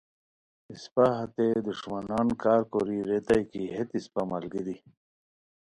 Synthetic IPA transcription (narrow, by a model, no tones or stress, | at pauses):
ispaɦɐt̪ed̪uʂmanaːnkaːɾkoɾiɾet̪ajkiɦet̪ispamɐlɡid̪i